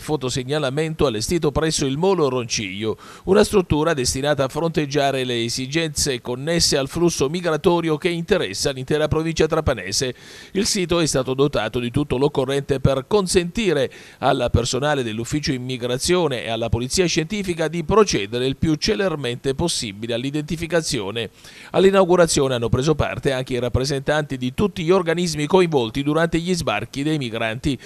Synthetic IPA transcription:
fot̪oseɲːalament̪oalːest̪iːt̪̬opɾɛsːoilmɔːloront͡ʃḭjo | unast̪ɾut̪ːuːɾad̪est̪inaːt̪aːfːɾont̪ed͡ʒːaːɾeleːzid͡ʒɛnt̪sekonːesːealflusːomiɡɾat̪ɔːɾjok̟eint̪eɾɛ̰sːalint̪ɛːɾapɾovint͡ʃat̪ɾapanɛ̰ːse | ilsiːt̪oɛst̪aːt̪od̪ot̪aːt̪od̪it̪ut̪ːolokːorːɛnt̪eperkonsent̪iːɾe | alːapersonaːled̪elːufːiːt͡ʃoimːiɡɾat̪sːjoːneʔḛalːapolit̪siːaʃent̪iːfikad̪ipɾot͡ʃɛːd̪eɾeilpjut͡ʃːelerment̪eposːibilealːid̪ent̪ifikat̪sːjoːne | a̰lːinawɡuɾat̪sːjoːneanːopɾeːzopa̰rt̪eaŋk̟eiɾapːɾezent̪ant̪id̪it̪ut̪ːiʎorɡanizmikoiɱvɔlt̪id̪uɾant̪eʎizba̰rk̟id̪ejmiɡɾant̪i

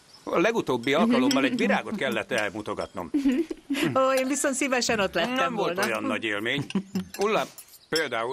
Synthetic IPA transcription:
ɒlɛɡut̪oːbːiɒlkɒlo̞mːɒlɛɟʋiɾaːɡo̞t̪kɛlːɛt̪ːɛmut̪o̞ɡɒ̰t̪no̞̰m | oeːnviso̞nt̪sivɛʃɛno̞t̪lɛnɛmvo̞lt̪ojɒnːɒɟeːlmeːɲulːa | peːld̪aːu

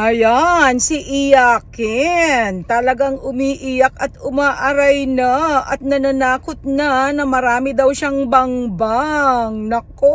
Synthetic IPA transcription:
ʔɐjansiʔɪjaːkɛnt̪ɐlɐɡaŋʊmiːʔijɐkɐt̪ʊmaːʔɐɾɐjnɐɐt̪̚nɐnɐnaːkot̪̚nɐnɐmɐɾaːmɪd̪ɐwʃaŋbɐŋbaŋnɐko

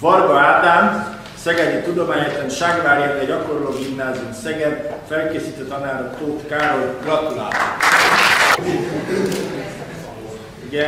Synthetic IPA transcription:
vɒrbɒaːt̪aːm | sɛɡɛd̪it̪ud̪o̞maːɲɛt̪lɛnʃaːɡvaːɾiet̪ːɛɟɒko̞ɾloːɡimnaːziumsɛɡɛd̪fɛlkeːsiːt̪øt̪ɒnaːɾot̪oːt̪kaːɾolɡrɒt̪ula̰ːb̪o̰ | iɡɛ

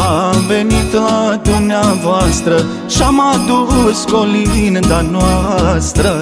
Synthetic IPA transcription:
abenit̪lad̪unjaʋaːst̪ɾɐ | ʃɐmad̪uɦuskolind̪ɐnʋast̪ɾɐ

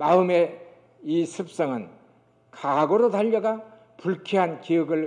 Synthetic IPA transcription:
maɯme̞ | isʰɯp̚s͈ʌŋɯn | kaɡoɾodaʎːʌɡa | puɭkʰiɦankiɯɡɯɭ

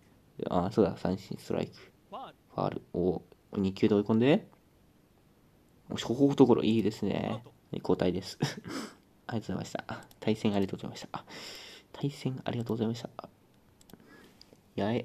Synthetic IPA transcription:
ʔasoːd̪asã̰ɰ̃ɕḭ̃st̪oɾʔa̰ikɯ̟̥ | ka̰ɾɯ̟oɲ̟ʲikʲɨːd̪e̞oikõnd̪e | o̰ɕkoɦoːot̪okoɾo̰ʔiːd̪e̞sɨne̞̰ | koːt̪aid̪e̞sɨ̥ | aɾiatozaimaɕi̥t̪at̪ʰaisẽ̞ŋ̃aɾʲiat̪oɡoza̰imaɕit̪ḁ | t̪ʰaisẽ̞ŋa̰ɾʲiɡat̪oːɡozaimaɕit̪a | jae

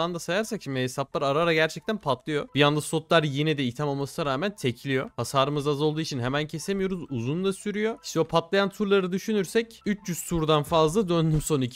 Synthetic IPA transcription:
and̪asajaɾsakʃimd̪iɦesaplˠaɾaɾaɾaɟæɾt͡ʃʰɛc̚t̪ʰænpʰat̪lˠɯjo̞b̥ijand̪aso̞t̪lˠaɾjenid̪ɛit̪ʰamo̞lˠmasɯnaɾaːmænt̪ʰe̞cʰilʲijo̞hasaːɾɯmɯzazo̞lˠd̪uːit͡ʃʰinɦemæncʰe̞se̞mijo̞ɾuzuzund̪ˠasyɾyjo̞i̥ʃt̪ʰɛopʰat̪lˠajant̪ʰuɾlˠaɾɯd̪yʃynyɾsɛcyt͡ʃjyz̥t̪ʰuɾd̪anfazlˠad̪ønd̪ymso̞ni

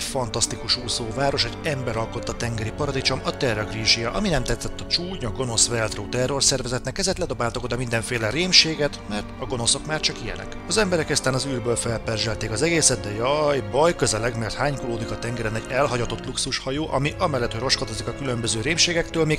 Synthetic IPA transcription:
fɒnt̪ɒst̪ikuʃuːsoːvaːɾo̞ʃɛɟɛmbɛɾɒlko̞t̪ːɒt̪ɛŋɡɛɾipɒɾɒd̪it͡ʃo̞mɒt̪ɛrːoɡriːʒijɒʔɒminɛmt̪ɛt̪sːɛt̪ːɒt͡ʃuːɲɒɡo̞no̞svɛld̪roːt̪ɛrːo̞rsɛrvɛzɛt̪nɛkɛzɛt̪lɛd̪o̞baːlt̪ɒko̞d̪ɒmind̪ɛɱfeːlɛɾeːmʃeːɡɛt̪mɛrt̪ɒɡo̞no̞so̞kmaːrt͡ʃɒkijɛ̰lɛ̰kɒzɛmbɛɾɛkɛst̪aːnɒzyːrbøːlfɛlpɛrʒɛlt̪eːkɒzɛɡeːsɛd̪̚d̪ɛjɒjbɒjkøzɛlɛɡmɛrt̪haːɲkuloːd̪ikɒt̪ɛŋɡɛɾɛnɛɟɛlɦɒɟɒt̪o̞t̪luksuʃhɒjoːʔɒmiʔɒmɛlːɛt̪hoɾro̞ʃkɒt̪ozikɒkylømbøzøːɾeːmʃeːɡɛkt̪øːlmeːɡ

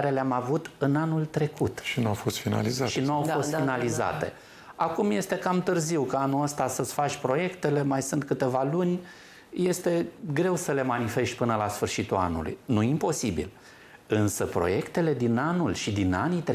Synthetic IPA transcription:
ɾe̞leamavut̪ɨnanult̪ɾe̞kut̪ʃinuawfost̪fina̰lizaʃinuawfo̞st̪finaliza̰t̪e̞̰ | akumje̞st̪e̞kamt̪ɨrziwkəanuəst̪asəsfat͡ʃʲpɾo̞je̞kt̪e̞le̞majsɨnt̪̚kɨt̪e̞valunʲ | je̞st̪e̞ɡɾe̞wsəle̞manife̞ʃt̪̚ʲpɨnəlasfɨrʃit̪ula̰nṵlṵjnuimpo̞sibḭl | ɨnsəpɾo̞̰je̞kt̪e̞le̞d̪inanulʃid̪ina̰nit̪ɾ

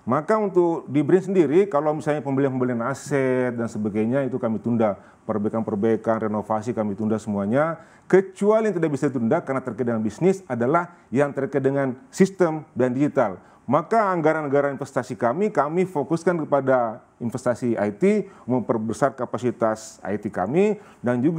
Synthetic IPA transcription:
makaunt̪ʊk̚dibɾinsəndiɾikalawmisalɲapəmbəliaŋməmbəlianasɛt̪̚dansəbaɡajɲait̪ukamit̪unda | pərbaikanpərbaikanrenofasikamit̪undasəmuaɲa | kət͡ʃualijaŋt̪idaʔbisait̪undakarnat̪ərkajt̪̚dəŋanbisnɪsadalah | jaŋt̪ərkajt̪̚dəŋansist̪əmdandid͡ʒit̪al | makaːŋɡaɾanːəɡaɾainfɛst̪asikamikamifokuskankəpada | infɛst̪asiʔa̰jt̪iməmpərbəsarkapasit̪asa̰jt̪ika̰mi | dand͡ʒuɡ

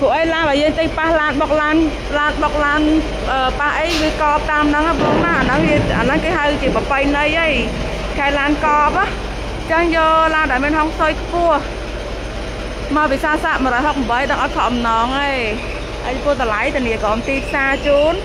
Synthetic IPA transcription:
pʊəʔəjlaːnɓaːjəːŋt̪əŋpahlaːnɓɑk̚laːn | laːnɓɑk̚laːn | ʔəːpahʔəjʋiəkɑːp̚t̪aːmnɨŋajɓɔːŋnaʔanəŋiəʔa̰ːnəŋkeːɦawt͡ɕiəpəpəjnəjʔəj | kʰaɛlaːnkɑːp̚ah | t͡ɕəŋjɔlaːnɗaɛmiənɦoŋsojkʰpʊ̆əh | mawpiːsaːsaːʔmə̆ɾɔːjɦok̚mɓəjɗəŋʔɑt̪̚kʰɑʔmnɑːŋʔə | ʔəjpuəht̪əlajt̪əniəkɑːmt̪iːpʰsaːt͡ɕuːn

